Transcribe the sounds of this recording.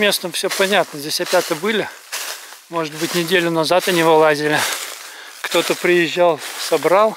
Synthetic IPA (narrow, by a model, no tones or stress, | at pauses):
mʲe̞snəmfsʲɵpɐnʲat̪nəzʲdʲesʲɐpʲat̪əbɨlʲɪ | mo̞ʐɨt̪̚bɨtʲnʲɪdʲelʲʊnɐzat̪ɐnʲɪvolˠazʲɪlʲɪ | kt̪o̞t̪əpɾʲɪjɪʑːalˠsɐbɾalˠ